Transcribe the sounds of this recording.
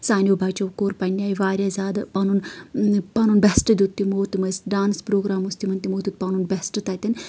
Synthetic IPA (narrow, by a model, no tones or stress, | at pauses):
saːnʲjoːbʱaːt͡ʃɐʋkoːɾpɐnʲːjaːjiʋaːɾʲaːzʲaːd̪pɐnunpɐnunbɛsʈɨd̪ut̪ːimoːt̪imɐsɖaːnspɾoːɡɾaːmust̪imɐnt̪imoːt̪ʲut̪̚pɐnunbɛsʈɨt̪at̪ʲɐnʲ